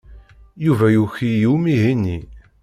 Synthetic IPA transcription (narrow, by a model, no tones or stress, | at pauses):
juvæjuçijumiɦini